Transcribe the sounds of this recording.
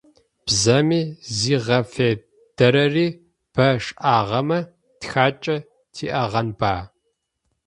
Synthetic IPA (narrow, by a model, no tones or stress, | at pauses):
b̥zɐmiːziːʁɐfeː | d̥ɐɾɐriː | b̥ʰɐʂʼʔaːʁɐmɐ | txaːt͡ʃʼɐ | tʰḭːʔɐʁɐnbaː